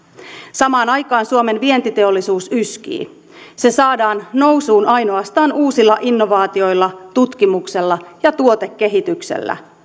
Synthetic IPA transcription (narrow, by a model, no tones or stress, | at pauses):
sɑmɑːnɑjkɑːnsuome̞nʋie̞nt̪it̪e̞o̞lːisuːsysk̟ḭː | se̞sɑːdɑːnːo̞wsuːnʔɑjno̞ɑst̪ɑːnuːsilːɑʔinːo̞ʋɑːt̪io̞jlːɑt̪ut̪k̟imukse̞lːɑjɑt̪uot̪e̞kːe̞ɦit̪yksḛlːæ̰